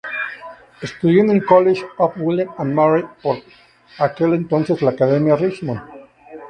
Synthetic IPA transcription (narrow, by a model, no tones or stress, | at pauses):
est̪uðjend̪oeŋkoleʃafwilananmaɾipoɾ | akelent̪onsezlaːkaðemjarit͡ʃmõn